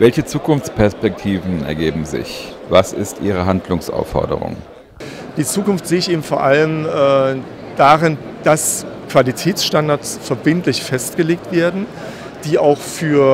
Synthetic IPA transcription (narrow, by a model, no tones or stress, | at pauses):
vɛlçət͡suːkʰʊnft͡spɛɐspɛk̚tʰiːvn̩ɛ̰ɐɡeːbm̩zɪ̰ç | vasɪ̰stʔiːʁ̞əɦandlʊŋsʔa̰ʊfːɔ̰ɐdə̰ʁʊ̰ŋ | d̥iːt͡suːkʊnftz̥eːɪçʔeːbm̩foːɐʔaləmʔɛː | d̥aːʁɪn | d̥as | kv̥alitʰɛːt͡sʃtandaɐtsfɛɐbɪntlɪçfɛst̚ɡ̥əleːk̚tv̥eːɐdn̩ | d̥iːaʊxfyːɐ